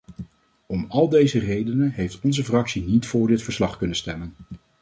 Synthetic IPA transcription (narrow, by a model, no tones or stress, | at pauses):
ɔmɑlˠdejzərejdənənɦejftɔnzəfrɑksinitfʊːɹdɪtfəɹslɑχkɵnənstɛmən